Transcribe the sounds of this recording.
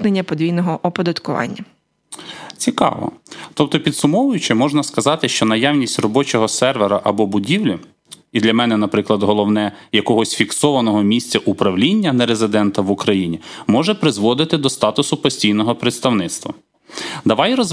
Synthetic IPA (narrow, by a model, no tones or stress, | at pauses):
nenʲːɐpɔd̪ʲʋijnɔɦɔʔɔpɔd̪ɐt̪kʊʋɑ̰nʲːɐ | t͡sʲikɑ̰ʋɔ̰t̪ɔp̚t̪ɔpʲit̪sʊmɔʋʊjʊt͡ʃɪmɔʒnɐskɐzɑt̪ɪʃt͡ʃɔnɐjawnʲisʲtʲrɔbɔt͡ʃɔɦɔsɛrʋeɾɐʔɐbɔbʊdʲiwlʲɐ | id̪lʲɐmɛnɛnɐpɾɪklˠɐd̪ɦɔlˠɔwnɛjɐkɔɦɔsʲfʲiksɔʋɐnɔɦɔmʲisʲt͡sʲɐʔupɾɐwlʲinʲːɐnɛɾezɪd̪ɛnt̪ɐʋʊkɾɐjinʲimɔʒɛpɾɪzʋɔd̪ɪt̪ɪd̪ɔst̪ɑt̪ʊsʊpɔsʲtʲijnɔɦɔpɾet̪st̪ɐwnɪt̪st̪ʋɐ̰ | d̪ɐʋɑjɾɔz